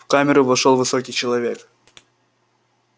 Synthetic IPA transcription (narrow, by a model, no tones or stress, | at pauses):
fkamʲɪɾʊvɐʂolˠvɨsokʲijt͡ɕɪlˠɐvʲek